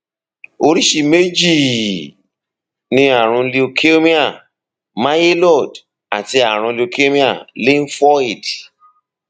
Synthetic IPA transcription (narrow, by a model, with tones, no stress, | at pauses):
o˧ɾi˦ʃi˨me˦d͡ʒi˦˨ | nĩ˧a˨ɾ̃ũ˧li˧o˧kʰe˦mĩ˦a˦˨ | ma˦je˦lɔ˦˨d | a˨ti˧a˨ɾ̃ũ˧li˧o˧kʰe˦mĩ˦a˦˨li˦n̩˦fɔ˦i˨d